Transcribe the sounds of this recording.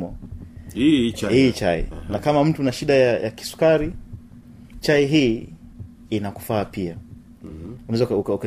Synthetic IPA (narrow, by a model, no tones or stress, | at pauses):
mɔ | hit͡ʃa̰ḭnakamam̩tunaʃiɗajajaki̥su̥kaɾi | t͡ʃaiɦiː | inaku̥faːpia | unaɛzakukauka